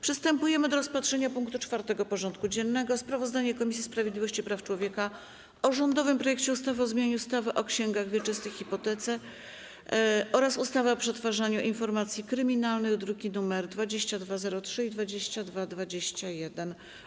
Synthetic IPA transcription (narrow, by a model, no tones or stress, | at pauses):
pʂɘst̪ɛmpujɛmɘd̪ɔɾɔspatʂɛɲapuŋk̚t̪ut͡ʂfaɾt̪ɛɡɔpɔʐɔnt̪kud͡ʑɛnːɛɡɔspɾavɔzd̪aɲɛkɔmʲisʲispɾavʲjed̪lʲivɔɕt͡ɕipɾaft͡ʂwɔvʲjɛka | ɔʐɔnd̪ɔvɘmpɾɔjɛkt͡ɕɛust̪avɛɔzmʲjaɲuust̪avɘʔɔkɕɛŋɡaɣvʲjɛt͡ʂɘst̪ɘxxːipɔt̪ɛt̪sɛ | ʔɔɾasust̪avɛɔpʂɛt̪faʐaɲuʔinfɔɾmat̪sʲjikɾɘmʲinalnɘɣd̪ɾukʲinumɛɾd̪vad͡ʑeɕt͡ɕad̪vazɛɾɔtʂɘid̪vad͡ʑeɕt͡ɕad̪vad̪vad͡ʑeɕt͡ɕajɛd̪ɛn